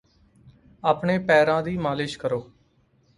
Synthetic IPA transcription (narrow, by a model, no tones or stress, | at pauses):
aːpɳeːpɛːɾãːd̪iːmaːlɪʃkəɾoː